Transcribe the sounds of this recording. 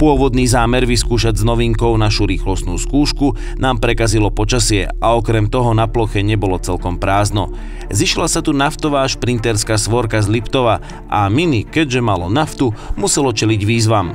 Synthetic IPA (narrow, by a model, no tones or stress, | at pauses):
pʊɔʋɔd̪niːzaːmɛɾʋiskuːʃaɟznɔʋiŋkɔʊnaʃuɾiːxlɔst̪nuːskuːʃku | naːmpɾɛkazilɔpɔt͡ʃasɪɛ̰aɔkɾɛmt̪ɔɦɔnaplɔxɛɲɛbɔlɔt͡sɛlkɔmpɾaːznɔ | ziʃlasat̪unaft̪ɔʋaːʃpɾint̪ɛɾskaːsʋɔɾkazlipt̪ɔʋa | ʔaminikɛɟʒɛmalɔnaft̪umusɛlɔt͡ʃɛliɟʋiːzʋam